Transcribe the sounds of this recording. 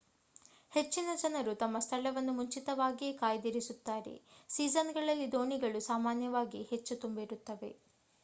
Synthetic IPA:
he̞t͡ʃːinɐd͡ʒɐnɐɾut̪ɐmːɐst̪ʰɐɭɐʋɐnːumuɲt͡ʃit̪ɐʋaːɡieːkaːjɐd̪iɾisut̪ːaːɾḛsiːd͡ʒɐnɡɐɭɐlːid̪o̞ːɳiɡɐɭusaːmaːnjɐʋaːɡihe̞t͡ʃːut̪umbiɾut̪ːɐʋe̞̰

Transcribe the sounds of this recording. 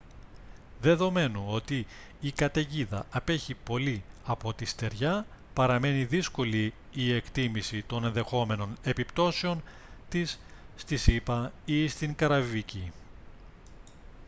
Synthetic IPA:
ðe̞ðo̞me̞nuo̞t̪iː | kɐt̪eʝiðɐ̰ʔɐpe̞çipo̞liɐpo̞t̪ist̪e̞ɾʝɐ | pɐɾɐme̞niðisko̞liː | e̞kt̪imisit̪o̞ne̞nðe̞xo̞me̞no̞ne̞pipt̪o̞seo̞n | t̪isːt̪isipɐist̪iŋkɐɾɐvivici

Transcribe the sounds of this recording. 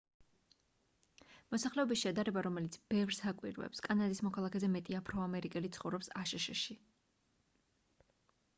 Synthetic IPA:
mɔsaχlɛɔbisʃɛd̪aɾɛbaɾɔmɛlit̪sʰb̥ɛvɾsakʼwḭɾvɛ̰pskʼanad̪ismɔkʰalˠakʰɛzɛmɛt̪ʼiapʰɾɔamɛɾikʼɛlit̪sʰχɔvɾɔpsaʃɛʃɛʃi

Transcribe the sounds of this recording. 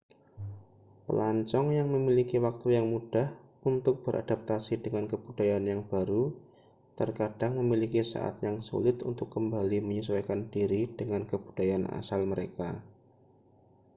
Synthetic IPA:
pə̰laɲt͡ʃɔŋjaŋməmilikiwak̚t̪ujaŋmud̥ah | unt̪ʊk̚b̥əɾʔa̰d̥ap̚t̪asidəŋankəb̥ud̥ajanjaŋb̥aɾu | t̪ərkad̥aŋməmilikisa̰ʔa̰t̪jaŋsṵlɪt̪unt̪ʊkːəmbaliməɲiswajkandiɾid̥əŋankəb̥ud̥ajana̰salməɾeka

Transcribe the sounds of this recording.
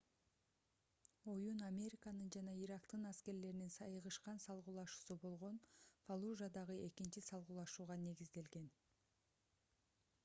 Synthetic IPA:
o̞junamʲe̞ɾʲikanɯnd͡ʒɑnɑiɾɑkt̪ɯnɑske̞ɾle̞ɾninsɑjɯʁɯʃqɑnsɑlˠʁuːlˠɑʃu̥ːsubo̞lˠʁo̞nfalˠuʒad̪ɑʁɯe̞kint͡ʃisɑlˠʁuːlˠɑʃuːʁɑne̞ɡizd̪e̞lɡe̞n

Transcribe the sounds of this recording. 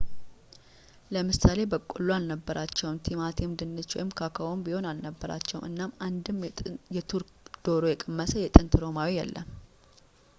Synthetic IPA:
ləmɨsale̞bəkʼulːualnəbːəɾʔat͡ʃːɛwmt̪ʰimat̪ʰemd̪ɨnːɨt͡ʃːwɔ̰jɪmkʰakʰəwombiho̞nalnəbːəɾa̰t͡ʃːɛwṵmʔɨ̰nːamand̪ɨmjɛt̪ʰuɾkd̪̥o̞ɾo̞jɛkʼɨmːəsəjɛt̪ʼɨnt̪ʰɨɾo̞mawijɛ̰lːə̰m

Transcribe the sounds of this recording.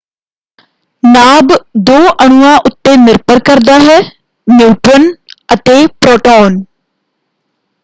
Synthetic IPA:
naːbd̪oːʔəɽ̃uːãʔʊt̪ːenɪɾpəɾkɐɾd̪aɦɛː | mjuːʈʋənɐt̪epɾoːʈoːn

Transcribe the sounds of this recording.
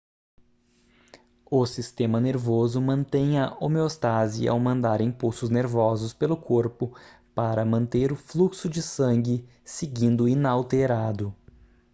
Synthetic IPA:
ʊsist̪ẽmɐneɾvozʊmɐ̃nt̪ẽj̃ɐʔomeost̪azḭa̰wmɐ̃nd̪aɾĩpuwsʊzneɾvɔzʊspelʊkʰoɾpʊ | paɾɐmɐ̃nt̪eɾʊfluksʊd͡ʒɪsɐ̃ŋɡʲɪ | seɡĩnd̪ʊinawt̪eɾad̪ʊ

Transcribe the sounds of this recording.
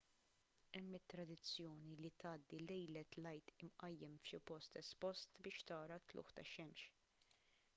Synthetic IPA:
ɛmːɪt̪ːɾɐd̪ɪt͡sːjɔːnilit̪ɐːd̪ːilɛjlɛt̪lɐjt̪ɪmʔɐjːɛmfʃɪpɔst̪ɛspɔst̪bɪːʃt̪ɐːɾɐt̪lʊ̰ːħt̪ɐʃɛmʃ

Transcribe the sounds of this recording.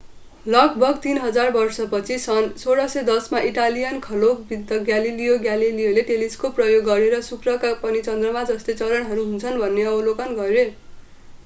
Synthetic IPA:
lʌk̚bʱʌɡt̪inɦʌd͡zarbʌrsʌpʌt͡sʰisʌnsoɾʌsʌd̪ʌsmaʔiʈalijʌnkʰʌlokbid̪ʌɡjalilijoɡjalilijoleʈeliskoprʌjoɡːʌɾeɾʌsukrʌkapʌnit͡sʌnd̪rʌmad͡zʌst̪et͡sʌlʌnɦʌɾuɦunt͡sʰʌnbʱʌnːeʌwlokʌnɡʌɾe

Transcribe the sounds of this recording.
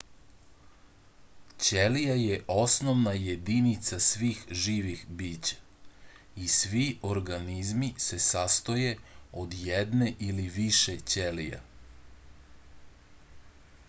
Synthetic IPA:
t͡ɕelijajeʔo̞snoʋnajed̪init̪sasʋiːxʒiːʋixbiːt͡ɕḁ | isʋiʔo̞ɾɡanizmise̞sast̪o̞je̞od̪jed̪ne̞ʔiliʋiʃet͡ɕelija̰

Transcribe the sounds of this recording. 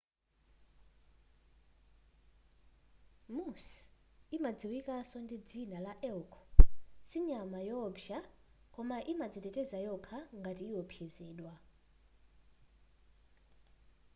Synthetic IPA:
musimad͡ziwikʼasɔndid͡zinalaʔɛlkʰɔ̥siɲamajɔbʃa | kʼɔmaʔimad͡zitʼɛtʼɛzajɔkʰaŋɡatiːjɔpʰjɛzɛːɗwa

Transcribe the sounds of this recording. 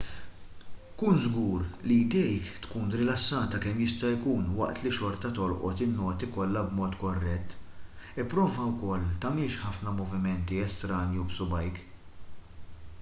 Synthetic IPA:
kuːnzɡuːɾlid̪ɛjkt̪kuːnɾɪlɐsːɐːt̪ɐkɛmjɪst̪ɐjkuːnwɐ̰ʔt̪liʃɔɾt̪ɐt̪ɔlʔɔ̰t̪ɪnːɔːt̪ikɔlːɐbmɔːt̪kɔrːɛt̪ːɪpːɾɔːvɐwkɔlːt̪ɐmɪlʃħɐfnɐmɔvɪmɛnt̪iɛst̪ɾɐːnjubsʊbɐjk

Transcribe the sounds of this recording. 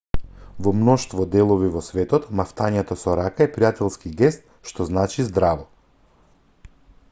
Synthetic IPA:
vɔmnɔʃt̪vɔd̪ɛlˠɔvivɔsvɛt̪ɔt̪maft̪aɲɛt̪ɔsɔɾakaɛpɾijat̪ɛlˠskiɡɛst̪̚ | ʃt̪ɔznat͡ʃizd̪ɾavɔ

